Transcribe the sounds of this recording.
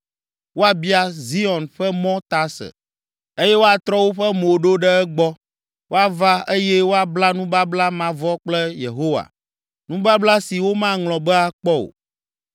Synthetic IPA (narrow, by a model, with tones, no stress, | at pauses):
wo˦a˨bi˦a˦zi˦ɔ˨nɸɛ˦mɔ̃˦t̪a˦sɛ̰˨ | e˦jɛ˦wo˦a˨t̪ɾɔ˦wo˦ɸɛ˦mo˨ɖo˦ɖɛ˦ɛ˦ɡ͡bɔ˦ | wo˦a˨va˦e˦jɛ˦wo˦a˨bla˦nũ˦ba˦bla˦mã˨vɔ˦k͡plɛ˦jḛ˨ɦo˦wa̰˨ | nũ˦ba˦bla˦si˨wo˦mã˦ŋlɔ̃˨bɛ˦a˨k͡pɔ˦o̰˨